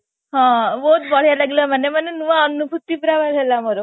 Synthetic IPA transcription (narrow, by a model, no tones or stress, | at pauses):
ɦãʋot̪̚bɔɭ̤jalaɡiləmənːemənːenuʋaːnːubʱut̪ːipɾaʋazʱɛlaməɾo